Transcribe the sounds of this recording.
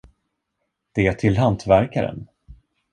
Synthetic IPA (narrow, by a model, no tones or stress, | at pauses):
d̪̥ɛæʈʰɪlɦant̪væɾkaɾə̰n